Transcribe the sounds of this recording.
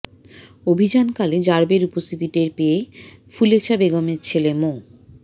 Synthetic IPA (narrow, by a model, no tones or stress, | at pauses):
obʱid͡ʑankaled͡ʑaɾbeɾupost̪ʰit̪iʈeɾpeefulekʃabeɡomeɾt͡ɕʰelemo